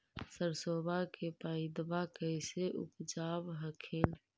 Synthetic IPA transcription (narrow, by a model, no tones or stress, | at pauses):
səɾsobʱakepaɪd̪bakəɪseʔṵpd͡ʒaːbɦəkʰen